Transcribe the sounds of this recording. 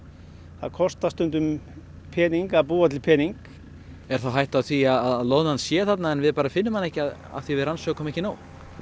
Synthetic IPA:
θa̰ðkʰɔst̪ast̪ʏnt̪ʏm | pʰɛːniŋkaðpuːat̪̬ʰɪlpʰɛːniŋk | ɛɾ̥θawɦajht̪awθviaðaðaðloːwðhanːsjɛːθat̪naɛnvɪðpaːɾafɪnːʏmhanːɛhcɪaða̰θivɪðɾansœːɣkʰɔmɛçcːɪnaːw

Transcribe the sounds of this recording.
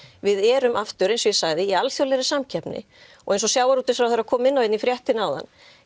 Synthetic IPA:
vɪðɛːɾʏmʔaft̪ʏɾejnsɔjɪsaɣðɪialθjowlɛɾɪsamcʰɛpnɪ̰ | ɔɣejnsɔsjaːwaɾut̪ɪsfɾawθɛɾːakʰɔːmɪnːawɛt̪nifɾjɛht̪ɪnawða̰nː

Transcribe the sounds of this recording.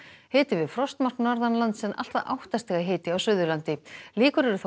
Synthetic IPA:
heːt̪ɪvɪðfɾɔst̪mar̥knɔɾðanlant̪sɛnʔa̰l̥t̪aʔa̰wht̪ast̪ɛɣaɦeːt̪ɪawsʏðʏɾlant̪ɪliːkʏɾɛɾʏθ

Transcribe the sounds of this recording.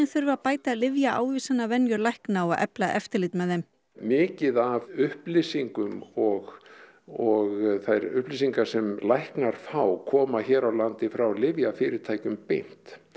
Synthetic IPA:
ɛnθʏɾvʏaðpaːjt̪alɪvjaʔa̰ːwvisanːavɛnjʏɾlajhknaawaðʔɛ̰plaʔɛft̪ɪɾlɪjt̪mɛðɛm | mɪːcɪðavʏhplɪsiŋkʏmɔɣ | ɔɣθajɾʏ̰hplɪsiŋkḁsɛmlajhknaɾ̥faːwkʰɔːmaçɛːɾawlant̪ɪfɾawlɪvjafɪːɾɪɾt̪ʰaːjcʏmpejn̥t̪

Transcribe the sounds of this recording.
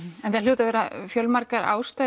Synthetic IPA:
ɛnθaljuːt̪avɛːɾafjœlmaɾkaɾa̰ːwst̪a

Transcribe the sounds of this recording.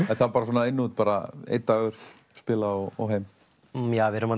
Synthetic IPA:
ɛnθaɾpaɾasoːnaɪnːut̪̚paːɾa̰ḛjt̪̚ːaːɣʏɾ̥θ | spɪːlaɔɣɔ̰ɦeːjm | javɪɾʏma

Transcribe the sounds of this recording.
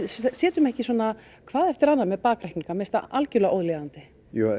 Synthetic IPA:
sjɛːt̪ʏmɛhcɪsɔna | kʰvaːðɛft̪ɪɾanːamɛðpaːkɾɛhkniŋkamɛst̪aʔalcʏlɣʔoːwðlɛːɣant̪ɪ | ju

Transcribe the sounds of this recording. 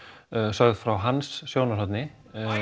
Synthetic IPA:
sœɣð̥fɾawɦansːjoːwnasɔt̪nɪ

